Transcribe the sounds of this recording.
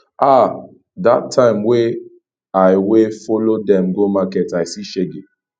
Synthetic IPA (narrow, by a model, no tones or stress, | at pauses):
ʔa | datʰːãɪ̃mwe | ajwefɔlodɛ̃mɡomakɛtaɪsiʃeɡe